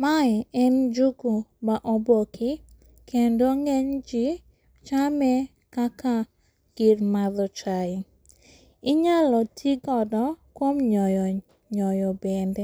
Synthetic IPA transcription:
maɛnd͡ʒuɡumaʔɔbokʰɪ | kʰendoŋɛɲd͡ʒi | t͡ʃamɛ | kaka | ɡ̥irmaðɔt͡ʃaɪ | ɪɲalɔtʰiɡɔdɔkwomɲɔjɔ | ɲɔjɔbɛnde

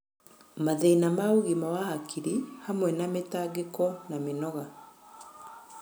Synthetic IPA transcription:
maðeinamauɣimawahakʰiɾihamwɛnametaɡekɔnamenɔɣa

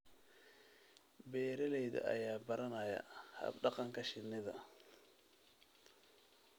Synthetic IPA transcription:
bɛːɾɛlɛjðɐ̰ʔɐ̰jaːbɐɾɐnaːjɐ̰hɐ̰bɖɑqɑŋkʰɐʃɪnːɪðɐ

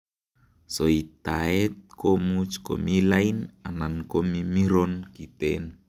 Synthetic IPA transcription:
soit̪aet̪̚kʰomut͡ʃko̰milainanankomimiɾɔnkit̪en

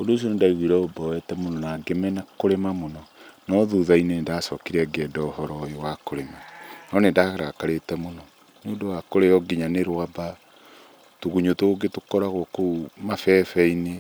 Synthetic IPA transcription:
ondoːs̬iɔnendaiɣwiɾɛobɔwɛtɛmonɔnaːɡemɛnakoɾemamonɔnɔðuðainenndasɔkiɾɛɡɛːdɔohɔɾɔjowakoɾemanɔnendaɣaɾakaɾetɛmonɔ | neondowakoɾejɔɡiɲaneɾwaba | toɣuɲotoɡetokɔɾaɣwokoumafɛfɛine

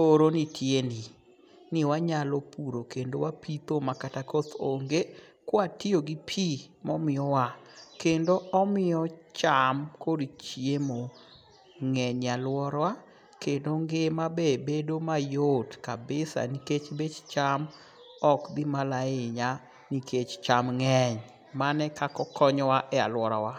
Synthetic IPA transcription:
oɾonitʰjeni | nɪwaɲalopuɾokendowapit̪omakatakɔt̪oŋɡe | kwatioɡipʰi | mɔmɪɔwakendoɔmɪjɔt͡ʃamkodit͡ʃiemo | ŋɛɲalwɔɾwa | kendoŋɡemabebedomajotkabɪsa̰niket͡ʃbet͡ʃt͡ʃam | ɔkd̪imalaɪɲa | niket͡ʃt͡ʃamŋɛɲ | manɛkakɔkɔɲɔwaʔɛa̰lwɔɾawa

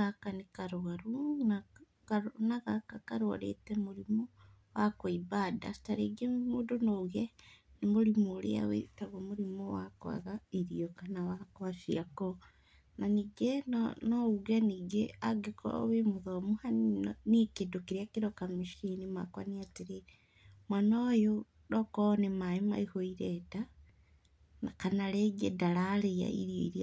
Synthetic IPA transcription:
ɣakanikaɾoɣaɾuna | naɣakakaɾɔ̰ɾḛtɛmuɾimo | wakɔiβada̰si̥taɾeɡemudonɔuɣɛnimoɾimoːɾḛa̰wḛtaɣomuɾimɔwakwa̰ɣaiɾiɔkanawakoaʃiakɔ | naniɡɛnouɣeniɡeaɡekɔ̰wemuðomuhannikedokiɾiakiɾokamiʃinimakwa̰niatiɾe | mwanajo | ɾɔkonemaema̰ihoiɾeta | nakanaleɡḛdalaleja̰ḭɾjo̰iɾia

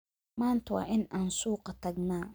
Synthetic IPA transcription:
maːntʊwa̰ʔɪnansuːqatɐɡnaː

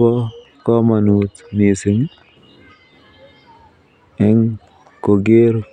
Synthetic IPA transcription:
ɔ | kɔmanut̪nisɪŋ | ɛŋ | koɡeɾ

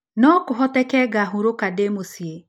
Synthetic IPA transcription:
nɔkʊɦɔtɛkɛɡaɦuɾokademosie

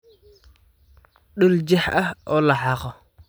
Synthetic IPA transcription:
ɗold͡ʒehaolaɦako

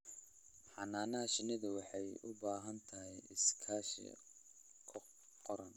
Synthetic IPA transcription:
ħɑnaːnɐhɐʃɪnɪðɐwɑħɑjʊ̰baːɦɐnt̪ʰɐɦɛjɪskʰaːʃḭ | kʰ | qɔɾɐn

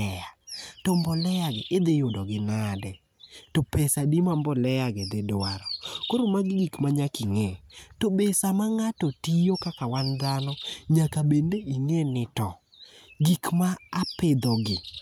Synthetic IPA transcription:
ɛatombɔlɛjaɡɪʔed̪ejodɔɡɪnadɛ | topɛsadimambɔlɛjaɡɛd̪edwaɾɔkoɾomaɡɪɡikmaɲakiŋɛtobesamaŋatɔtijokakawand̪anɔɲakabendeiŋenɪtɔ | ɡikmaːpɪd̪ɔɡɪ

